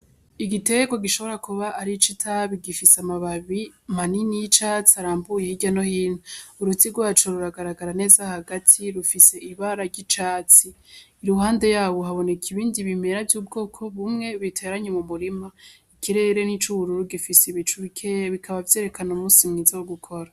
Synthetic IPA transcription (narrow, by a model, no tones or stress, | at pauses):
iɡite̞ɡo̞ɡiʃo̞βo̞ɾakuβaʔːɾit͡ʃitʰaβiɡifisamaβaβimaninijit͡ʃat͡siaɾaːmbujehiɟano̞hiːnhuuɾutiɡwoat͡ʃoɾuɾaɡaɾaɡaɾane̞ːzahaɡatʰiɾufise̞ʔiβaɾaɟit͡ʃaːt͡siːɾuɦaːnde̞jaːβo̞ɦaβo̞ne̞kʰiβiːndiβime̞ɾavjuːb̚ɡo̞ːkʰo̞βumŋe̞βitʰe̞ːɾaɲemumuɾima | ikʰiɾe̞ɾe̞nit͡ʃuuɾuɾuɡifisiβit͡ʃuβikʰeβikʰaβavje̞ːɾe̞kanomuːsimŋiːzawoɡukʰo̞ɾa